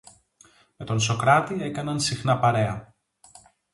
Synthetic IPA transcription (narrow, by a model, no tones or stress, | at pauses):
me̞t̪o̞nso̞kɾɐt̪ie̞kɐnɐnsixnɐpɐɾe̞ɐ